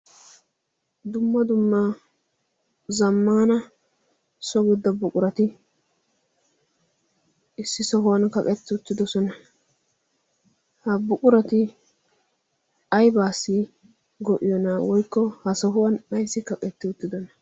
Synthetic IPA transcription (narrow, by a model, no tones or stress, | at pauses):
d̪ʊmːɐd̪ʊmːa | zɐmːaːnɐ | sɔɡʊd̪ːɐbʊkʼʊɾɐt̪ɪ | ɪsːɪsɔɦʊwɐnkɐkʼɛt̪ːɪʊt̪ːɪd̪ɔsɔnɐ | hɐbʊkʼʊɾɐt̪ɪ | ɐjbaːsːɪ | ɡɔʔɪjɔnawɔjkːɔhɐsɔɦʊwɐnɗɐjsɪkɐkʼɛt̪ːɪʊt̪ːɪd̪ɔnɐ